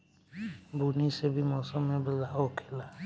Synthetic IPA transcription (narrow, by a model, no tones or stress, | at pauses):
bunisebimɔsɔmẽbəlaokʰela